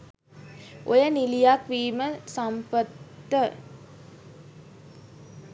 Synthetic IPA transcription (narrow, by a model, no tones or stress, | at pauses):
ʔojənilijakʋiːməsampət̪ːə